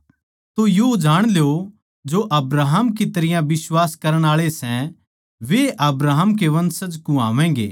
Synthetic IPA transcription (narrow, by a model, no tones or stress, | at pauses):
t̪ojod͡ʒaːɽ̃lejo | d͡ʒoʔɐbɾaːɦəmkit̪ɐɾɪjãʋɪswaːskɐɾəɽ̃aːɭesɛ̃ | ʋeʔɐbɾaːɦəmk̬eʋɐ̃nsəd͡ʒkũa̰ːʋɛ̃ːɡḛː